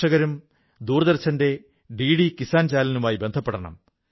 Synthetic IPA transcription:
ɐɣɐɾum | d̪uːrɐðɐrt͡ɕʰːɐnde̞ | ɖiːɽikisaːnt͡ɕaːlɐnumaːjibe̞nd̪ʱɐpːeɽɐɳɐ̰m

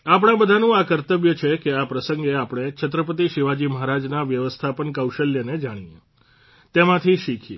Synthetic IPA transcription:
apɳ̃ãbəd̪ʱanũakəɾt̪əʋjət͡ʃʰekeapɾəsəŋɡeapɽ̃et͡ʃʰət̪̬ɾəpət̪̬iʃiʋad͡ʒiməɦaɾad͡ʒnaʋjəʋəst̪ʰapənkəwʃəljəned͡ʒaɽ̃iḛ | t̪emãt̪ʰiʃikʰi

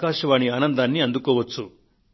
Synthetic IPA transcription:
kaːʂɐʋaːɳiaːnɐnd̪aːnːiɐnd̪ukɔːʋɐt͡sːu

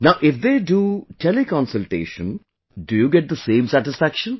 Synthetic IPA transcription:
naʊʔɪfd̪eːɖuːʈʰɛlɪkɔ̃nsəlʈḛːʃə̃n | ɖujuːɡɛʈ̚d̪əsẽːmsæʈɪsfækʃə̃n

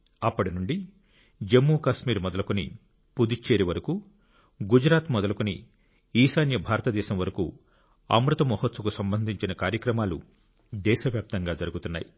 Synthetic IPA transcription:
ɐpːɐɽinuɳɖi | d͡ʒemːuːkaːʃmiːɾmɔd̪ɐlɐkunḭ | pud̪it͡ʃːeːɾiʋɐɾɐku | ɡud͡ʒɾaːt̪mɔd̪ɐlɐkuni | iːsaːnjɐbʱaːɾɐt̪ɐd̪ɛːʃɐmʋɐɾɐkṵ | ɐ̰mɾut̪ɐmɔɦɐt̪sɐkusɐmbɐnd̪ʱiɲt͡ʃinɐkaːɾjɐkɾɐmaːlṵ | d̪ɛːʃɐʋjaːp̚t̪ɐŋɡaːd͡ʒɐɾuɡut̪unːa̰ːji

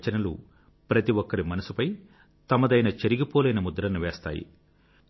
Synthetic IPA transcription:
t͡ʃɐnɐlṵ | pɾɐt̪iʋɔkːɐɾimɐnɐsupɐj | t̪ɐmɐd̪ɐjnɐt͡ʃeɾiɡipoːleːnɐmud̪ɐɾɐnːuʋeːst̪a̰ːjḭ

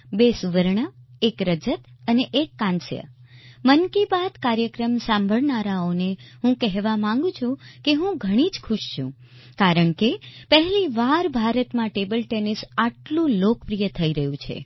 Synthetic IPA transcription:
besuʋəɾɳəekɾəd͡ʒət̪əneʔekːãnsjə̰ | mənkibad̪kaɾjəkɾəmsãmbʱəɭnaɾaoneɦũkɛɦʋamãŋ̆ɡũt͡ʃʰũkeɦũɡʱəɽ̃id͡ʒkʰʊʃt͡ʃʰṵ̃ | kaɾəɳkepəɦɛliʋaɾbʱaɾət̪mãʈebəlʈenisaʈlũlok̚pɾijət̪ʰəiɾəɦjũt͡ʃʰḛ

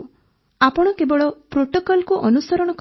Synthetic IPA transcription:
apɔɽ̃ɔkebɔɭɔpɾoʈokɔlkuʔɔnusɔɾɔɽ̃ɔk

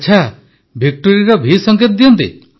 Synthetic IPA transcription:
t͡ʃʰa | bʱik̚ʈoɾiɾɔbʱisɔŋket̪ɔd̪ijɔnt̪ḭ

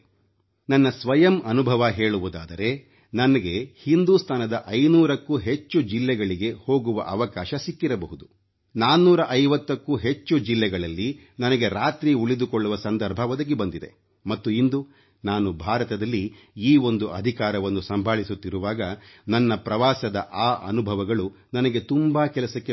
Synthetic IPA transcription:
nɐnːɐsʋɐjɐmɐnubʱɐʋɐɦe̞ːɭuʋud̪a̰ːd̪ɐɾe̞ | nɐnɐɡe̞hind̪uːst̪ʰaːnɐd̪ɐʔɐjnuːɾɐkːuɦe̞t͡ʃːud͡ʒilːɛɡɐɭiɡe̞ho̞ːɡuʋɐ̰ʔɐʋɐkaːʃɐsikːiɾɐbɐɦud̪u | naːnːuːɾɐʔɐjʋɐt̪ːɐkːuɦe̞t͡ʃːud͡ʒilːɛɡɐɭɐlːi | nɐnɐɡe̞ɾaːt̪ɾiuɭid̪ukoɭːuʋɐsɐnd̪ɐɾbʱɐʋɔd̪ɐɡebɐnd̪id̪e̞̰ | mɐt̪ːuind̪u | naːnubʱaːɾɐt̪ɐd̪ɐlːi | iːo̞nd̪uʔɐd̪ʱikaːɾɐʋɐnːusɐmbʱaːɭisut̪ːiɾuʋaːɡɐnɐnːɐpɾɐʋaːsɐd̪ɐʔaːʔɐ̰nubʱɐʋɐɡɐɭu | nɐnɐɡe̞t̪umbakɛlɐsɐkːe

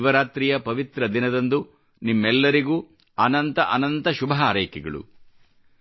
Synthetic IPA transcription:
ʋɐɾaːt̪ɾijɐpɐʋit̪ɾɐd̪inɐd̪ɐnd̪u | nimːɛlːɐɾiɡuː | ɐnɐnt̪ɐʔɐnɐnt̪ɐʃubʱɐɦaːɾɐjkɛɡɐɭṵ

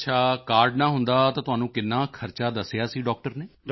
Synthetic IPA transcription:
ət͡ʃʰaːkaːɾɖnãːɦʊnd̪aːt̪ãːt̪ʊɦaːnũːkɪnːaːkʰəɾt͡ʃaːd̪əsɪjaːsiːɖɔːk̚ʈəɾneː

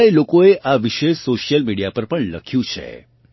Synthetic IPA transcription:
elokoeʔaʋiʃeʃsoʃijəlmiɽijapəɾpəɳləkʰjũt͡ʃʰḛ

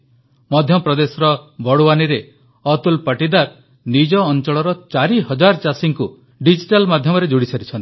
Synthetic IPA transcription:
mɔd̪ʱjɔpɾɔd̪esɔɾɔbɔɽuwaniɾe | ɔt̪ulpaʈid̪aɾ | nid͡ʒɔːnt͡ʃɔɭɔɾɔt͡ʃaɾiɦɔd͡ʒaɾt͡ʃasiŋku | ɖid͡ʒiʈalmad̪ʱjɔmɔɾed͡ʒuɽisaɾit͡ʃʰɔnt̪i

